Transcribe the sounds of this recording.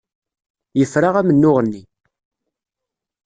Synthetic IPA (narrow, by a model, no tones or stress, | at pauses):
jəfɾaʁæmənːʊʁənːi